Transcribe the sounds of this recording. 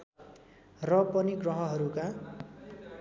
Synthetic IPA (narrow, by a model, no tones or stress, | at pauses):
rʌpʌniɡrʌɦʌɦʌɾuka